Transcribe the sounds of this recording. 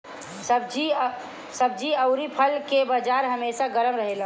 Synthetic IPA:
səbd͡ʒi | səbd͡ʒiəʊɾipʰəlkebad͡ʒaːɾɦəmeːsaɡəɾəmɾəɦela

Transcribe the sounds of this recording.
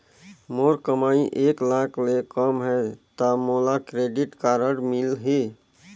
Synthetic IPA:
moɾkəmaiʔeklaklekəmɦɛt̪əmolakɾeɖiʈkaɾəɽmilɦe

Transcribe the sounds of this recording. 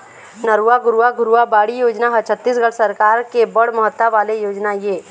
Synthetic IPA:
nəɾuːaɡʊɾuaɡʊɾuabaːɽijoːd͡ʒnaɦɐt͡ʃʰət̪ːis̬ɡɐɽsɐɾkaːɾkebɐɽ̤mɐɦət̪ːaʋaːlejoːd͡ʒnajeː

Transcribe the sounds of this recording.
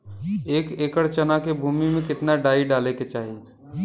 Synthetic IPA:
eːkeːkəɽt͡ʃənakebʱuːmimẽkɪt̪naɖaːiɖaːleket͡ʃaːɦi

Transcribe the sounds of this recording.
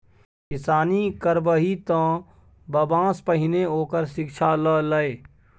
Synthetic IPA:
kɪsaːnikəɾbəɦit̪ɔ̃ː | bəbãːspəɦɪneoːkəɾʃɪkʃʰalələeː

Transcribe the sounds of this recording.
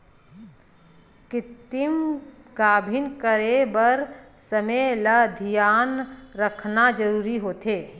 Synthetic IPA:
kɪt̪ɪm | ɡaːbʱɪnkəɾebəɾ | səmeləd̪ʱijaːnɾəkʰnad͡ʒəɾuːɾiɦoːt̪eː

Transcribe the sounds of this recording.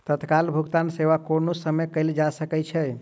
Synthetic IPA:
t̪ət̪kalbʱuɡt̪anseʋakonosəməkəɪld͡ʒasəkɛt͡ʃʰɛ

